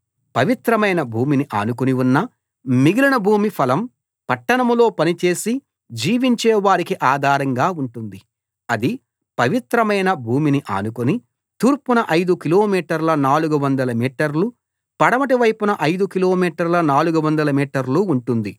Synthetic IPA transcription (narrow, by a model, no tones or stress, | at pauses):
pɐʋit̪ɾɐmɐjnɐbʱuːminiʔa̰ːnukoniunːɐ | miɡilɐɳɐbʱuːmipʰɐlɐm | pɐʈːɐɳɐmlo̞ːpɐnit͡ʃe̞ːsi | d͡ʒiːʋiɲt͡ʃɛːʋaːɾikiʔaːd̪ʱaːɾɐŋɡaːuɳʈund̪i | ɐd̪i | pɐʋit̪ɾɐmɐjnɐbʱuːminiʔa̰ːnukoni | t̪uːɾpunɐʔɐjd̪ukilo̞ːmiːʈɐɾlɐnaːluɡuʋɐnd̪ɐlɐmiːʈɐɾlu | pɐɽɐmɐʈiʋɐjpunɐʔɐjd̪ukilo̞ːmiːʈɐɾlɐnaːluɡuʋɐnd̪ɐlɐmiːʈɐɾluːɳʈund̪i